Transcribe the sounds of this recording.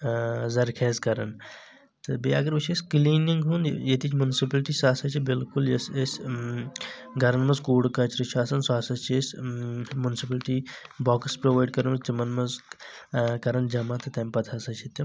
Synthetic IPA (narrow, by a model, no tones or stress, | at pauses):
zɐɾkʰɛːzkɐɾɐ̰n | t̪ɨbeɐɡɐɾbɐt͡ʃʰesʲkliːniŋɡɦunjet̪it͡ʃʰmunsipɐlʈisaːsɐt͡ʃʰibɪlkuljesesʲ | ɡɐɾɐnmɐzkoːɽkɐt͡ʃɾɐt͡ʃʰaːsɐnsaːsɐt͡ʃʰiesʲmunsipɐlʈibɔːkspɾoʋaːjɖ̚kɐɾɐnɐsd͡ʒɐmɐnmɐz | kɐɾɐnd͡ʒɐmat̪ɐt̪ɐmʲpɐt̪ʰaːsɐt͡ʃʰit̪ːɐ